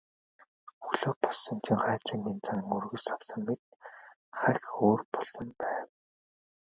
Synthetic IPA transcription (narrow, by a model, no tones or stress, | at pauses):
xɵɣɮoːpɔɮsɞ̆nt͡ɕʰĭŋχæːt͡ɕĭŋɡiːnt͡sʰan̆ŋurɣɵ̆sawsə̆mːet̪̚ | χæxoːrpɔɮsɞ̆mpæːw